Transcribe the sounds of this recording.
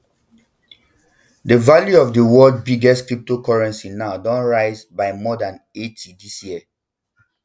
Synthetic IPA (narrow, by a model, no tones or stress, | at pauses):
dəvaljuɔfdəwɔld̚biɡɛskɹip̚tokɔɹɛ̃nsinaʊdɔ̃nɹaɪzbaɪmɔdãnetʰidisjiə